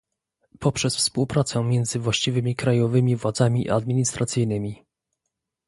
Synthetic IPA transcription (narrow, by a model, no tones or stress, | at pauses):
pɔpʂɛsfspuwpɾat̪sɛmʲjɛnd̪zɘvwaɕt͡ɕivɘmʲikɾajɔvɘmʲivwad̪zamʲḭad̪mʲiɲist̪ɾat̪sɘjnɘmʲi